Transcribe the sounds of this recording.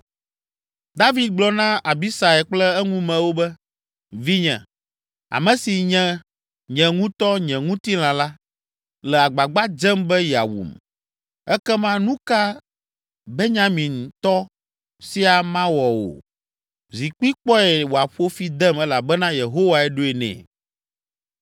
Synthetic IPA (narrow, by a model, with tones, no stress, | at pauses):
d̪a˦vi˨d̪̚ɡ͡blɔ˦nã˦ʔa˨bi˦sa˨ɛ˨k͡plɛ˦ɛ˦ŋũ˦mɛ̃˨wo˦bɛ˦ | vi˦ɲɛ̰̃˨ | a̰˨mɛ̃˨si˨ɲɛ̃˨˦ | ɲɛ̃˨ŋũ˦t̪ɔ˦ɲɛ̃˨ŋũ˦t̪i˦l̃ã˨la˦ | lɛ˨a˨ɡ͡ba˨ɡ͡ba˦d͡ʒɛ˦mbɛ˦ja̰˨wṵ˨m | ɛ˦kɛ˦mã˦nũ˦ka˦ | bɛ˦ɲã˦mĩ˨n˨t̪ɔ˦ | si˦a˨mã˦wɔ˨wo̰˨ | zi˨k͡pi˦k͡pɔ˦ɛ˨wo˨a˨ɸo˦fi˦d̪ɛ˦mɛ˦la˨bɛ˦nã˦je˨ɦo˦wa˨ɛ˦ɖo˦ɛ˨nɛ̰̃˨